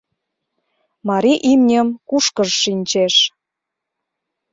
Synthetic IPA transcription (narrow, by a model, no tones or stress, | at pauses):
mɑɾiʔimnʲəmkuʃkəʒːinʲt͡ɕeʃ